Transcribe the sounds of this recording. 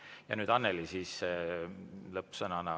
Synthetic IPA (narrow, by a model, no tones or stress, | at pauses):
jɑ̰nyːd̪ɑnːelisiːs | lɤpːsɤnɑnɑ